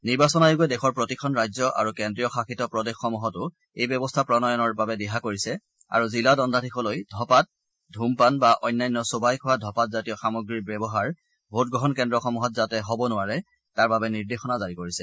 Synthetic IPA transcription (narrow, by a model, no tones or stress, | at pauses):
niɹbasɔnajoɡuɛdɛxʰɔɹpɹotikʰɔnɹajzɔʔa̰ɹukɛndɹijɔxaxʰitɔpɹɔdexːɔmuɦɔtʊ | ejbjɔbɔstʰapɹɔnɔjɔnɔɹbabɛdɛɦakoɹisɛ | a̰ɹuziladɔndʱadʱikʰɔlojdʱɔpat̚ | dʱumpanbaʔɔjnːajnːɔsobajkʰɔwadʱɔpat̚zatijɔxamɔɡɹiɹbjɔbɔɦaɹ | bʱot̚ɡɹɔɦɔnkɛndɹɔxɔmuɦɔt̚zatɛɦɔbɔnʊwaɹɛ | taɹbabɛniɹdexɔnazaɹikoɹisɛ